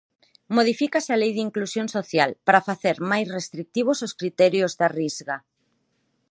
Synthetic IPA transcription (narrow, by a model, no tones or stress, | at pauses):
moð̞ifikasɪalejðiŋklusjõŋsoθjalpaɾafaθeɾmajsrest̪ɾik̚t̪iβ̞ososkɾit̪ɛɾjozðarizɣa